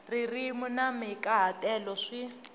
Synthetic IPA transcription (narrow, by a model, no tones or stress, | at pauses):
ririmunamɛkʼaɦatʼɛlɔʂi